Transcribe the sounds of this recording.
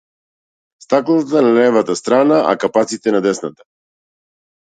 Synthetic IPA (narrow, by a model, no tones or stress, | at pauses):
st̪aklˠɔt̪analɛvat̪ast̪ɾanaʔa̰kapat̪sit̪ɛnad̪ɛsnat̪ḁ